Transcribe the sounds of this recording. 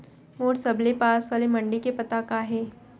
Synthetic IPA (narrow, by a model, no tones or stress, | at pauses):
moːɽsɐblepaːsʋaːlemɐɳɖikepɐt̪akaɦeː